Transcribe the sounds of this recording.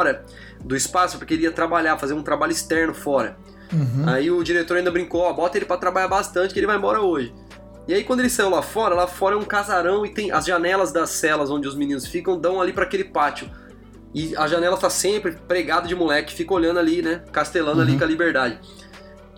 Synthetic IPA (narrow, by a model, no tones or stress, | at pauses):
ɔɾɐ | d̪ʊɪspasʊ̥pʊɾkeliɐt̪ɾabaʎafazeɾũt̪ɾabaʎʊɪst̪ɛɾnʊfɔɾɐ | aiʊd͡ʒiɾet̪oɾaĩd̪ɐbɾĩŋkoabɔt̪ɐelɪpɾɐt̪ɾabaʎaɾbast̪ɐ̃t͡ʃɪkɪelɪvaj̃mbɔɾɐoʒɪ | ɪaikwɐ̃d̪ʊelɪsaiwlafɔɾɐlafɔɾɐɛũkazaɾɐ̃w̃ɪt̪ẽj̃ʔɐzʒanɛlɐzd̪ɐsɛlɐzõd͡ʒɪʊzminĩnʊsfikɐ̃w̃d̪ɐ̃w̃alipɾɐakelɪpat͡ʃʊ | ɪɐʒanɛlɐt̪asẽmpɾɪpɾeɡad̪ɐd͡ʒɪmulɛkʊɪ̥fikɐoʎɐ̃nd̪ʊalinɛkast̪elɐ̃nd̪alikɐlibeɾd̪ad͡ʒɪ